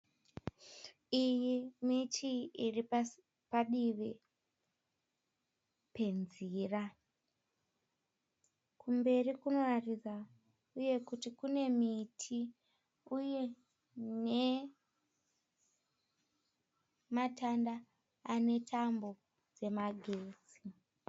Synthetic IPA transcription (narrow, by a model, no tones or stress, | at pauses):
ijimitʰiiri | paɗiʋe | pe̞nzira | kumbe̞rikuno̞warid͡za | uje̞kutikune̞mitʰi | uje̞ | ne̞ | matanda | ane̞tʰambo̞ | d͡ze̞maɡʱeːd͡zi